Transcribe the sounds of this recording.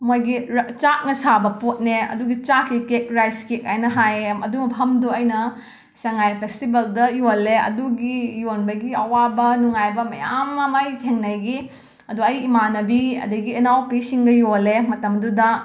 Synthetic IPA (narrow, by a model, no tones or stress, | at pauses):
mojɡit͡ʃak̚nɐsabɐpot̚neɐ̰duɡit͡ʃakːikek̚ɾajskek̚ajnɐɦajmɐdumɐpʰɐmduɐjnɐ | sɐŋajpʰekstibeldɐjolːeɐ̰duɡijonbɐɡiɐwabɐnuŋajbɐmɐ̰ja̰mːɐmɐjtʰeŋnɐjɡi | ɐduɐjimanɐbiɐ̰dɐɡiɐnawpisiŋɡɐjolemɐtɐmɐdudɐ